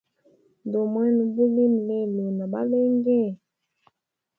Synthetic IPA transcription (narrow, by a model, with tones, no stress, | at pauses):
ndo˨mwɛ˦nu˨bu˦li˦m˨lɛ˦˨lu˨na˨ɓa̰˦le˦ŋɡɛ˦˨